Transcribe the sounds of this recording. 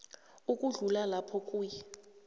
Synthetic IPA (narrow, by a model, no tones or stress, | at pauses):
ukʼuɮulalapʰɔkʼuːjɛ